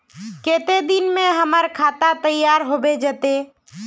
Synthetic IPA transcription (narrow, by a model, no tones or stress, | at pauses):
keːt̪ed̪ɪnmẽɦəməɾkʰaːt̪at̪əjːaːɾɦoːbed͡ʒət̪e